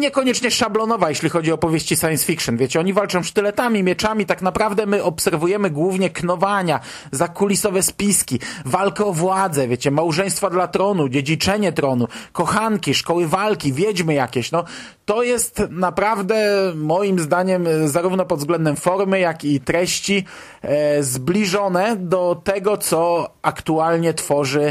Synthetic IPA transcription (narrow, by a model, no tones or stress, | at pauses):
ɲɛkɔɲɛt͡ʂɲɛʂablɔnɔvajɛɕlʲixɔd͡ʑiɔpɔvʲjeɕt͡ɕisajɛnsfʲikʂɨnvʲet͡ɕɛɔɲivalt͡ʂɔ̃w̃st̪ɘlɛt̪amʲimʲjɛt͡ʂamʲit̪akn̪apɾavd̪ɛmɘʔɔpsɛɾvujɛmɘɡwuvɲɛknɔvaɲa | zakulʲisɔvɛspʲiskʲivalkɛɔvwad̪zɛvʲjet͡ɕɛmawʐɛ̃j̃st̪fad̪lat̪ɾɔnud͡ʑed͡ʑit͡ʂɛɲɛt̪ɾɔnukɔxaŋkʲiʂkɔwɘvalkʲivʲjɛd͡ʑmɘjakʲɛɕnɔ | t̪ɔjɛst̪napɾavd̪ɛmɔjimzd̪aɲɛmzaɾuvnɔpɔd̪zɡlɛnd̪ɛmfɔɾmɘjakit̪ɾɛɕt͡ɕi | zblʲiʐɔnɛd̪ɔt̪ɛɡɔt̪sɔakt̪ualɲɛt̪fɔʐɘ